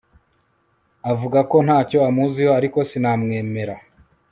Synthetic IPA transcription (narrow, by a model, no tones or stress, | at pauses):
avuɡako̞n̥haːco̞amuzihoaɾiko̞sinamŋe̞ːme̞ɾa